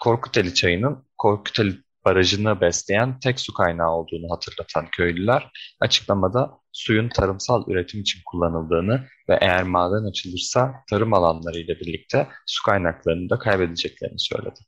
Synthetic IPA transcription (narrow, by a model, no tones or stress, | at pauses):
kʰo̞ɾkʰu̥t̪ʰelʲit͡ʃʰajɯnɯnkʰo̞ɾkʰu̥t̪ʰelʲi | b̥aɾaʒɯnabɛslʲejænt̪ʰɛcsukʰajnaːo̞lˠd̪uːnuɦat̪ʰɯɾlˠat̪ʰancʰø̞jlʲylʲæɾ̥a̰t͡ʃʰɯ̥klˠamad̪a | sujunt̪ʰaɾɯmsalˠʔy̰ɾe̞t̪ʰimit͡ʃʰinkʰulˠːanɯlˠd̪ɯːnɯ | vɛ̰ʔejæɾmaːd̪ɛnat͡ʃʰɯlˠɯɾsat̪ʰaɾɯmalˠanlˠaɾɯjlʲˠabiɾlʲic̚t̪ʰɛsu̥kʰajnaklˠaɾɯnɯd̪akʰajbe̞d̪ed͡ʒɛc̚lʲe̞ɾinisø̰jlʲed̪ɪ̥